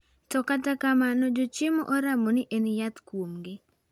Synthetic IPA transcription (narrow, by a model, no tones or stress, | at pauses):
tɔkatakamanɔd͡ʒot͡ʃɪmo̰ʔoɾamonɪʔenɪjat̪kwomɡɪ